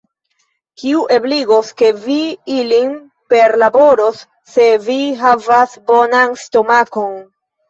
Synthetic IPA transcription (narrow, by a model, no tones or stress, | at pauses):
kiuʔe̞bliɡoske̞viilin | pe̞ɾlabo̞ɾo̞sː | e̞viɦavasbonansto̞mako̞n